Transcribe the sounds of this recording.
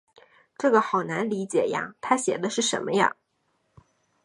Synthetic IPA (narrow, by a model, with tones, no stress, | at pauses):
ʈ͡ʂɤ˥˩ɡə˩xɑ˨˩ʊna˧˥nli˧˥t͡ɕjɛ˨˩ja̰˥˩t̪ʰa˥ɕjɛ˨˩d̪ə˦ʂɻ̩˥˩ʂə̰˧˥nmə˧jɑ̰˥˩ŋ